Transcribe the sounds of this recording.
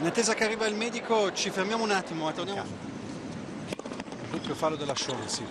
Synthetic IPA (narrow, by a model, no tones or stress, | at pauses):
inat̪ːeːzakearːiːvailmɛːd̪ikot͡ʃifermjaːmounat̪ːimoat̪ːord̪am | bupofalːod̪elaʃɔnsi